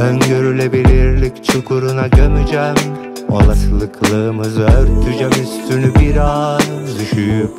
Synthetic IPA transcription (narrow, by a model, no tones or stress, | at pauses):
øŋɡøɾylʲɛbiliɾlʲikʲt͡ʃʰukʰuɾunad͡ʒanɯd͡ʒɛm | o̰lˠaslˠɯkʰlˠɯmɯzøɾt̪ʰyd͡ʒæmyst̪ynybiɾɑːnɯd̪yʃyjyp